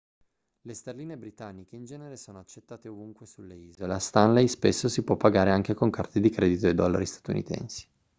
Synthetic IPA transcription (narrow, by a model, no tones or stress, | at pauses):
lest̪erliːnebɾit̪anːik̟eind͡ʒɛːneɾesoːnoat͡ʃːet̪ːaːt̪eovuŋkwesulːeiːzolast̪anlejspesːosipwɔpːaɡaːɾeaŋk̟ekoŋkart̪ed̪ikɾeːd̪it̪oed̪ɔlːa̰ɾist̪ḁt̪unḭt̪ɛ̰nsi̥